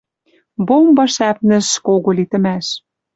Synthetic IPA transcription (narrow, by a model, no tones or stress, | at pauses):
bombɑʃæpnɘ̆ʃkoɣolit̪ɘ̆mæʃ